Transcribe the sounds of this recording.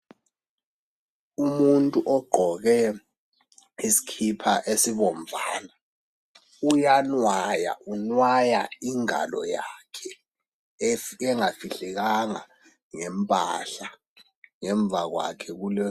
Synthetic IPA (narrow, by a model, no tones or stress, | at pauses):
umuntʼuʔɔɡ͡ǃ̥ʱɔɣɛ | isi̥kʰipʰaʔesiɓɔmvʱaːna | ujanwaja̰ʔunwajaiŋa̰lɔ̰jakʰɛ | ɛŋafiɬɛk̬aŋa | ŋɛmpʼa̰ɬa | ŋɛɱb̪vʱak̬wa̰kʰɛk̬ulɛ